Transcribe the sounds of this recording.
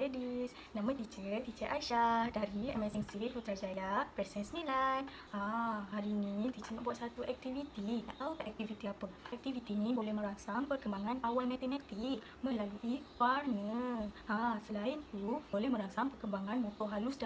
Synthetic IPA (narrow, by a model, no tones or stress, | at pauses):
edis | nãmə̃t̪it͡ʃət̪it͡ʃəʔaʃahdaɾiɛmɛsɛŋsiɾit̪̚ut̪əɾad͡ʒailapɾɛsɛnsnilajn | ãɦaɾinit̪it͡ʃənãʔbuat̪sat̪uʔɛk̚t̪ivit̪ina̰ʔt̪aukaʔɛk̚t̪ivit̪iapəɛk̚t̪ivit̪inĩbolɛhmə̃ɾaŋsaŋpərkəmbaŋãnawalmɛ̃t̪ɛnãt̪iʔ | mə̃laluʔiwarnəãsəlaint̪ubolɛhmə̃ɾaŋsaŋpərkəmbaŋanmõt̪ɔʔɦalusda